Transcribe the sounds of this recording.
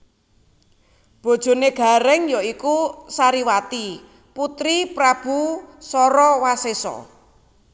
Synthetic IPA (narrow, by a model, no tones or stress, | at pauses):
b̥o̤d̥ʒ̥o̤neɡ̥a̤ɾɛŋjoikusaɾiwat̪i | put̪ɾipɾab̥usɔɾɔwasesɔ̰